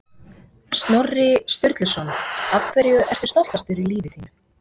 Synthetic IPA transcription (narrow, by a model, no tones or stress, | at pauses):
st̪nɔrːɪst̪ʏɾt̪lʏsɔnavkʰvɛɾjʏʔɛr̥t̪ʏ̥st̪ɔwl̥t̪ast̪fɪɾɪliːvɪθiːnʏ̥